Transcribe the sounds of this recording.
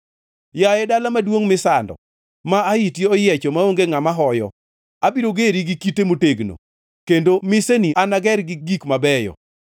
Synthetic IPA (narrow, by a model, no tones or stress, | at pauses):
jaɛdalamadwoŋmɪsandɔ̰ | maːitjeɔjɛt͡ʃɔmaoŋɡeŋamaɦɔjɔ̰ | abiɾoɡeɾiɡɪkitemoteɡno̰ | kendomɪseniʔanaɡɛɾɡɪɡikmabɛjɔ̰